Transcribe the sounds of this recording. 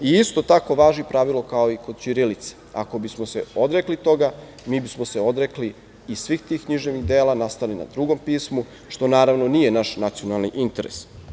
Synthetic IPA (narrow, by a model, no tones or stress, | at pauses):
iist̪o̞t̪ako̞ʋaːʒipɾaʋilˠo̞kao̞iko̞d̪t͡ʃiɾilit̪se̥a̰ko̞bismose̞od̪ɾeklit̪o̞ɡa | miːbismose̞o̞d̪ɾekliː | sʋiːxt̪iːxkɲiʒnemid̪eːlanast̪alina̰d̪ɾuɡo̞mpiːsmu | ʃt̪o̞naːɾaʋno̞niːjenaʃnat̪sio̞nalˠniʔint̪eɾḛs